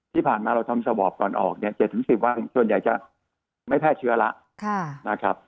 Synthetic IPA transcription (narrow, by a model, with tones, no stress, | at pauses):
t̪ʰiː˥˩pʰaː˨˩nmaː˧ɾa˧wt̪ʰa˧msa˧bɔː˨˩p̚kɔː˧˩nʔɔ̰ː˨˩k̚ni˥˩ɐt͡ɕe˨˩t̪ʰːɯ˩˦ŋsi˨˩p̚wa˧nsu˨˩ənja˨˩jt͡ɕa˨˩ | ma˥˩jpʰɛː˥˩t̚t͡ɕʰɯ˦˥ɐla˦˥ʔ | kʰa˥˩na˦˥kʰɾa˦˥p̚